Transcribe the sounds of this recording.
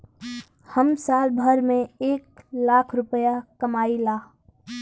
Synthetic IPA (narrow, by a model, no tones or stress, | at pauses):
həmsaːlbʱəɾmẽeːk̚laːkʰɾʊpəjakəmaːilaː